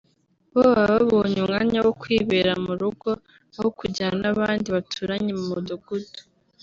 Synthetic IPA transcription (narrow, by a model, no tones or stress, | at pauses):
βowaβaβoɲumŋaːɲawokwiːβeɾamuɾuɡo̞ | ahokuɟanaβaːndiβatʰuɾaɲemumuduɡudu̥